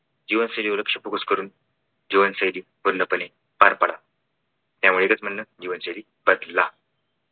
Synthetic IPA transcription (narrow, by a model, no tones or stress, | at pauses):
d͡ʑiʋənsəjliːuləkʂəpukuskəɾuːn | d͡ʑiʋənsəjliːbuɾnd̪əpəne | paɾpaɽa | t̪jaʋuɭeɡət͡sm̤ənːəd͡ʑiʋənsəjliː | bəd̪la